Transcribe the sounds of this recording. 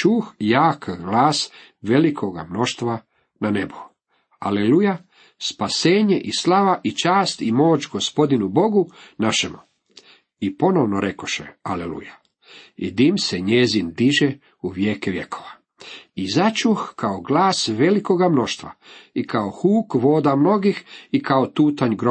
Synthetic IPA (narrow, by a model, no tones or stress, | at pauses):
t͡ʃuxjaːkɡlaːs | ʋe̞likʰo̞ɡamno̞ʃt̪ʋa | nane̞bo | a̰leluja | spase̞ːɲeʔislˠaʋaʔit͡ʃaːst̪imo̞ːt͡ʃɡo̞spo̞d̪inubo̞ɡunaʃemu | ipo̞noʋnoɾʔe̞ko̞ʃḛalelṵja | ḭd̪imseɲezind̪iʒe | uʋjeːkeʋje̞koʋa | izat͡ʃuxkaoɡlaːsʋe̞liko̞ɡamno̞ʃt̪ʋa̰ikaoxuːkʋo̞ːd̪amno̞ɡixikaot̪uːt̪aɲɡɾo